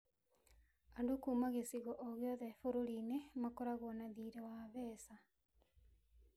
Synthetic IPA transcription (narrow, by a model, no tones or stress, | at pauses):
andukuːmaɣesiɣɔʔːɣjɔðɛfoɾoɾinemakɔɾaɣwɔnaðiːɾewaβɛːsa